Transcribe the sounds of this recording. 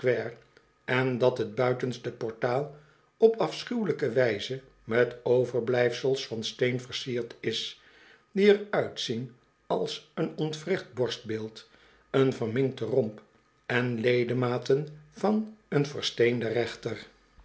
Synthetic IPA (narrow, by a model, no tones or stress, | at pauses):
kʋɛːr | ɛndɑtɦəd̚bœɥtənstəpɔɹtaːlˠ | ɔpɑfsχywləkəʋɛjzə | mɛtowvəɹblɛjfsəlˠsfɑnstejnvəɹsiːɹtɪs | diəɹœɥtsin | ɑlˠsənɔntfrɪχd̚bɔɹst̚bɪːlˠt | ənvəɹmɪŋk̚tərɔmp | ɛnlejdəmaːtənvɑnənvəɹstejndərɛχtər